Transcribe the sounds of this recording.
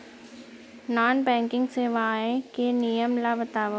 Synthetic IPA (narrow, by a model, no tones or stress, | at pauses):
naːnbɛ̃ːŋkɪ̃ŋɡseːʋaẽkenijəmlaʋət̪aːʋə